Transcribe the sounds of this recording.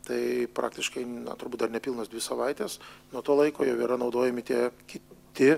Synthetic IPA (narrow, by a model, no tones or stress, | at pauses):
t̪ɐɪpɾʔɑ̰ːk̚t̪ʲɪʃkɐɪnɐ̰t̪ʊɾbuːt̪̚ʲd̪ɐrnʲɛpʲilˠnoːsd̪ʋʲɪsɐʋɐɪt̪ʲeːsnuɔt̪oːlˠɐɪkoːjoːʋʲiɛɾɐnɐʊd̪oːjɛmʲɪt̪ʲiɛkʲɪt̪ʲɪ